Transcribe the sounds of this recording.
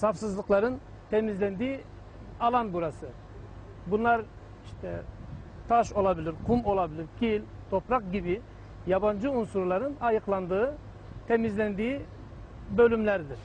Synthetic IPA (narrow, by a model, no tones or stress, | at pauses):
safsɯzlˠɯklˠaɾɯn | t̪ʰemizlʲænd̪iː | ɑlˠanbuɾasɯ | bunlˠaɾ | iʃt̪ʰɛt̪ʰaʃo̞lˠabilʲiɾqʰumo̞lˠabilʲiɾkʲʰilʲ | t̪ʰo̞pɾaq̚ɟibi | jaband͡ʒɯunsuɾlˠaɾɯnajɯqlˠand̪ɯɯ | t̪ʰemizlʲænd̪iːi | bølʲymlʲæɾd̪iɾ̥